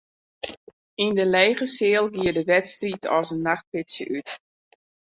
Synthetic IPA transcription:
indəlɛjɣəsɪːəlˠɡiədəʋɛtstritʰɔ̰sənːaxt̚pɪtsjə̰ʔyt

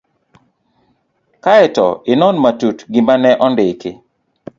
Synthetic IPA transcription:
kaɛtɔ̰ɪnɔnmatutɡɪmanɛʔɔndɪkɪ

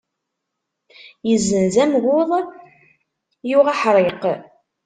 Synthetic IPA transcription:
jəzːənzæmɣʊðˤ | juʁæħɾˤeq

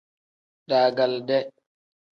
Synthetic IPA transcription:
ɗaːɡaldɛ

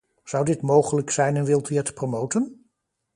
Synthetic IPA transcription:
z̥ɑwdɪtmowχələksɛjnənʋɪlˠtyɛtə̥promowtən

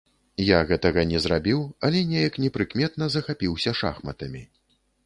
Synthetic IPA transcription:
jaɣɛt̪ɐɣɐnʲɛzɾabʲiwɐlʲɛnʲɛjɐknʲɛpɾɨkmʲɛt̪̚nɐzɐxapʲiwsʲɐʂa̰xmɐt̪ɐmʲi

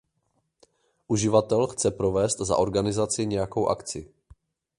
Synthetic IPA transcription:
ʔuʒɪvat̪ɛlxt͡sɛpɾo̞vɛːst̪za̰ʔo̞ɾɡanɪzat͡sɪɲɛjako̞wʔa̰kt͡sɪ

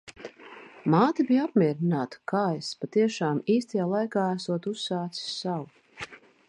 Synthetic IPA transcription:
maːt̪ibijapmʲiɛɾinaːt̪ḁkaːjspat̪iɛʃaːmiːst̪ajaːlˠajkaːæsuɔt̪usːaːt̪si̥ssaw

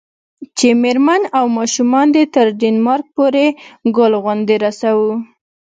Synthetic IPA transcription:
t͡ʃemeɾmanawmɑʃumɑnd̪et̪əɾɖenmɑɾk̚poɾeɡʊlɣʊnd̪eɾasawu

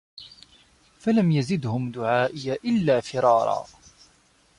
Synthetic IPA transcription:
falamjazɪd̪hʊmd̪ʊʕaːʔɪjaːʔɪlːaːfɪɾˤɑːɾˤɑ̰ː

